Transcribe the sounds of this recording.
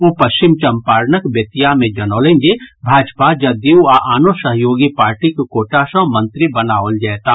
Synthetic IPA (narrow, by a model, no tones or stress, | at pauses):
oːpɐʃt͡ʃɪmt͡ʃɐmpaːɾnəkbət̪ijamẽd͡ʒɐnoːlẽːŋd͡ʒebʱaːd͡ʒpad͡ʒɐd̪ewaʔaːnosəɦjoːɡipaːɾʈikkoːʈasə̃mə̃nt̪ɾibənaːʋəld͡ʒɛːt̪a